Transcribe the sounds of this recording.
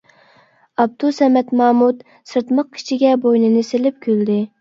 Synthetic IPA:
ɑb̚d̪usɛmɛt̪mɑːmut̪ | sɨɾt̪məq̚kʲʰi̥t͡ʃʰiɡʲɛbojnɨnɨselɪp̚kʲʰøld̪ɪ

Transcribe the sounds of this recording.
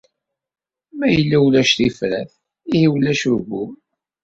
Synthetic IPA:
mæjəlːæwlæʃt̪ifɾæθ | ihiwlæʃuɾɡum

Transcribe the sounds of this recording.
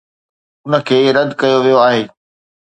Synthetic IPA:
ʊnə̆kʰeːɾɐd̪ʱkɐjoʋijoaːɦeː

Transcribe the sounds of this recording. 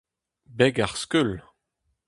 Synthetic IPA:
bɛɡaʁskyl

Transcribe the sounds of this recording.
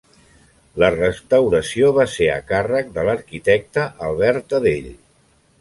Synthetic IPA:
lərəst̪əwɾəsioβaseə̰karək̚d̪ələɾkit̪ɛk̚t̪əʔːlˠβɛɾt̪əðeʎ

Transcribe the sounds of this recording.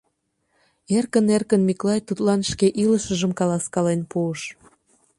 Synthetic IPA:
erkənerkənmiklɑjt̪ut̪lɑnʃkeʔiləʃəʒəmkɑlɑskɑlenpuəʃ

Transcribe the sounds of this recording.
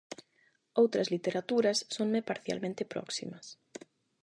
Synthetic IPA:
owt̪ɾɐzlit̪eɾat̪uɾɐsːoŋmepaɾθja̰lmẽnt̪ɪpɾɔ̰ksḭmɐs

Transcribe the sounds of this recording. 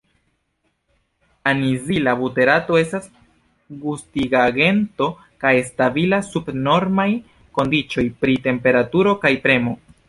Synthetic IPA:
anizilabute̞ɾato̞e̞stas | ɡustiɡaɡe̞nto̞ | kajestabilasubno̞ɾmaj | ko̞ndit͡ʃo̞jpɾite̞mpe̞ɾatuɾo̞kajpɾe̞mo̞

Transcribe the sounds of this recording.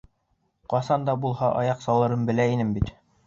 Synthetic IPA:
qɑsɑnd̪ɑbulˠɦɑʔɑ̰jɑqsɑlˠɤ̆ɾɤnbɘ̆læinɘmbit̪

